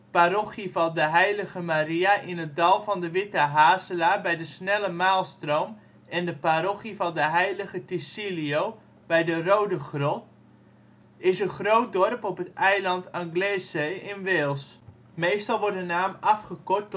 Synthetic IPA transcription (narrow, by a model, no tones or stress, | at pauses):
parɔχivɑndəɦɛjləɣəmariaʔɪnət̚dɑlˠvɑndəʋɪtəɦaːsəlaːbɛjdəsnɛləmaːlˠstrowm | ɛndəpaɾɔχivɑndəɦɛjləɣətisiliow | b̥ɛjdərowdəχrɔt | ɪsənχrowt̚dɔrpɔpətɛjlɑntaŋɡleːsejɪnʋɪːlˠs | mejstɑlˠʋɔɹtənaːmɑfχəkɔt